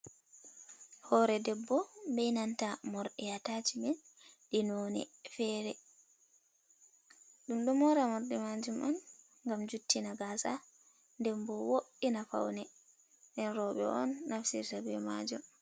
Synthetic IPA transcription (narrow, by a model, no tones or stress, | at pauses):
hɔɾɛdɛbːɔmbɛjnantamɔɾɗɛjatad͡ʒimɛn | ɗinɔːnɛ̰fɛːɾɛ | ɗumɗɔmɔɾamɔɾɗɛmad͡ʒumʔan | ŋɡamd͡ʒutːinaɡaːsa | ndɛmbɔwoɗinafa̰wnɛ | ɗɛnɾɔɓɛ̰ʔɔnːafsḭɾtabɛma̰d͡ʒum